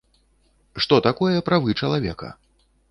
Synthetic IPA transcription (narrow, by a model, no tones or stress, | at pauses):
ʂt̪ɔt̪akɔjɛpɾavɨt͡ʂɐlˠavʲɛkɐ̰